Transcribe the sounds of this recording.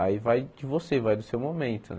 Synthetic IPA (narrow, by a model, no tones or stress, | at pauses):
aivajd͡ʒɪvosevajd̪ʊsewmomẽnt̪ʊ̰n